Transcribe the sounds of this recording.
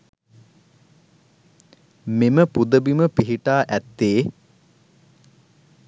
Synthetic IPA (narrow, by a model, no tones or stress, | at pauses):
meməpud̪əbiməpiɦiʈaːʔæt̪ːeː